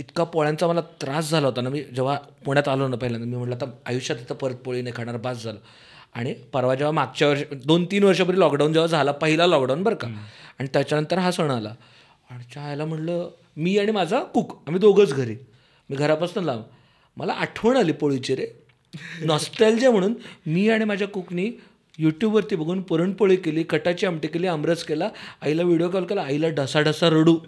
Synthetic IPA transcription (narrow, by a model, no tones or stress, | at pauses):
it̪ʰkapoɭãnt͡saməlat̪ɾasd͡zʱalaɦot̪anamiːd͡ʑeʋ̤apuɽ̃jat̪alənapəɦilant̪əɾmiːm̤əɳʈləat̪aajuɕat̪at̪apəɾət̪̚poɭinekʰaɽ̃aɾbasd͡zʱalə | a̰ɽ̃ipəɾʋad͡ʑeʋamaɡ̚t͡ɕjaʋəɾɕd̪ont̪iːnʋəɾʂap̬əɾilɔkɖawnd͡ʑeʋad͡zʱalapəɦilalɔk̚ɖawnbəɾkaaɽ̃it̪jat͡ɕjanənt̪əɾɦasəɳ̃ɽ̃ala | aɽ̃it͡ɕaːjlam̤əʈlə | miːaɽ̃imad͡zʱakuːkamid̪oɡʱət͡sɡʱəɾiː | miːɡʱəɾapəst̪ənlam | mʔəla̰ʔaʈʰʋəɳ̃aliːpoɭit͡ɕiɾe | nɔsʈəld͡ʑem̤əɽ̃uːnmiːaɽ̃imad͡ʑʱjakukniː | juʈjubʋəɾt̪iːbəɡʱuːnpəɾəɳpəɭikeliːkəʈat͡ɕiːamʈikeliːəmɾəd͡zkelaːilaʋiɽijokaʋlkelaːilaɖəsaɖəsaɾəɽuː